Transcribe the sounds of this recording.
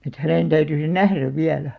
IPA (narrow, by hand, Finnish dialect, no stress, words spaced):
et hæneˑn tæyty se næhræʋ ʋiælæ